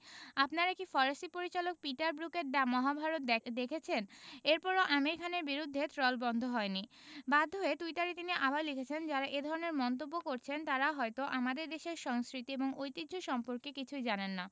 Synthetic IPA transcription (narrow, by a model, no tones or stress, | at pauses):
apnaɾekʈifɔɾesʈipoɾit͡ɕalok̚piʈaɾbɾukeʈ̚ɖamɔɦabʱaɾot̪d̪ekʰet͡ɕʰeneɾpɔɾoʔameɾikʰaneɾbiɾud̪ʱːet̪ɾɔlbɔnd̪ʱoɦɔeni | bad̪ʱːoet̪ujt̪aɾit̪iniʔabaɾlikʰet͡ɕʰend͡ʑaɾaʔed̪ʱɔɾoneɾmɔnt̪obːokoɾt͡ɕʰent̪aɾaɦɔet̪oʔamad̪eɾd̪eʃeɾʃɔŋskɾit̪ieboŋojt̪id̪d͡ʑʱoʃɔmpoɾkekit͡ɕʰujd͡ʑanenːa